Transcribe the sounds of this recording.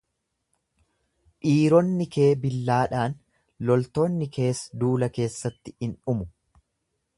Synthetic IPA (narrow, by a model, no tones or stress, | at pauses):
ʔiːɾɔnːɪke̞ːbɪlːaːᶑaːn | lɔlt̪o̞ːnːɪkʰe̞ːsd̪uːlɐke̞ːsːɐt̪ːɪ̥ɪnʊmʊ